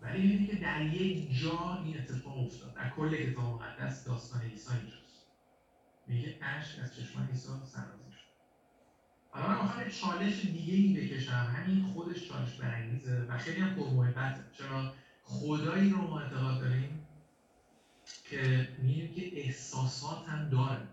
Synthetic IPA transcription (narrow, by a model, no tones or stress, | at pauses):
væ̰limiid̪icʲʰe̞d̪æɾjekd͡ʒɒːine̞t̪ʰːe̞fɒːɣo̞ft̪ʰɒ̰ːd̪̚d̪ːæ̰ɾkʰolːekʰːet̪ɒːbemoɣæ̰d̪ːæ̰sd̪ɒːst̪ɒːneiːsɒːind͡ʒɒːst̪ | niceʔæʃkæ̰z̥t͡ʃʰe̞ʃmɒ̰ːnisɒːsæ̰ɾbɒ̰ːziʃo̥d̪̥ | ælɒɾænɒːxæɾit͡ʃʰɒːle̞ʃed̪iːɟeiːbe̞cʰe̞ʃæhæminxod̪e̞ʃt͡ʃʰɒ̰ːle̞ʃbæɾæŋɟiːzevæxe̞jlihæmpʰoɾmohe̞bːæt̪ʰet͡ʃʰeɾɒː | χod̪ɒːiːɾomɒːe̞t̪ʰːeɣɒːd̪̚d̪ɒɾim | cʰe̞miimcʲʰe̞ʔehsɒːsɒːt̪ʰhæmd̪ɒːɾæ